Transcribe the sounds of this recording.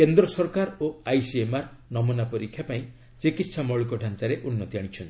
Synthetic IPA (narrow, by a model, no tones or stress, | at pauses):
kend̪ɾɔsɔɾkaɾoajsiemaɾ | nɔmunapɔɾikʰːjapaĩ | t͡ʃikit̪sʰamɔɭikɔɖʱant͡ʃaɾeʔunːɔt̪iaɽ̃it͡ʃʰɔnt̪i̥